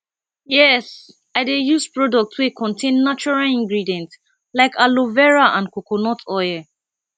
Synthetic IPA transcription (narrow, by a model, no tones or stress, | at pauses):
jɛs | aɪdejuspɹɔdɔk̚tʰwekʰɔ̃ntʰẽnːat͡ʃuɹalĩŋɡɹidiɛ̃nt | laɪkʰalovɛɹaʔãnkokonɔtʰɔjɛ